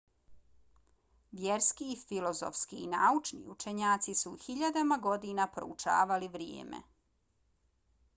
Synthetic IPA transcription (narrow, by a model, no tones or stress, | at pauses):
ʋjeɾskiːfilo̞zo̰fskiːnaut͡ʃnḭut͡ʃeɲaːt̪sisuxiʎad̪amaɡo̞d̪inapɾo̰ut͡ʃa̰ːʋaliʋɾjḛːmḛ